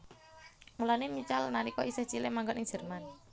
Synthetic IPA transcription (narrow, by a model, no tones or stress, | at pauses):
mulanemit͡ʃalnaɾikɔʔisɪht͡ʃilemaŋɡɔnɪŋd͡ʒ̥ə̤rman